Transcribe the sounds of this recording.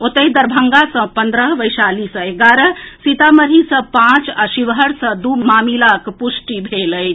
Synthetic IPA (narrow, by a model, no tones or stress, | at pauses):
ot̪əɦid̪əɾbʱəŋɡasə̃pənd̪ɾəɦʋəjsalisə̃eɡaɾəsit̪aməɾɦisə̃pãt͡ʃasiʋɦəɾsə̃d̪umamilakpusʈibʱeləj